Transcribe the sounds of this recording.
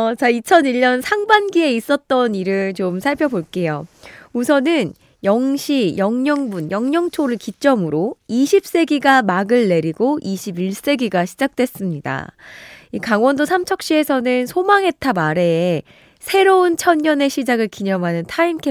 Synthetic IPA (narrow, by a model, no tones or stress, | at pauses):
t͡ɕait͡ɕʰʌniʎːɲʌnsʰaŋbanɡie̞is͈ʌt̚t͈ʌniɾɯɭt͡ɕomsʰaɭpʰjʌboɭk͈e̞jousʰʌnɯn | jʌŋɕʰijʌŋɲʌŋbunjʌŋɲʌŋt͡ɕʰoɾɯɭkit͡ɕ͈ʌmɯɾoiɕʰip̚s͈e̞ɡiɡamaɡɯɭːe̞ɾiɡoʔiɕʰibiɭs͈e̞ɡiɡaɕʰid͡ʑak̚t͈we̞s͈ɯmɲida̰ | ikaŋwʌndosʰamt͡ɕʰʌk̚ɕ͈iɦe̞sʰʌnɯnsʰomaŋɦe̞tʰamaɾe̞ː | sʰe̞ɾount͡ɕʰʌnɲʌne̞ɕʰid͡ʑaɡɯɭkiɲʌmɦanɯntʰainkʰe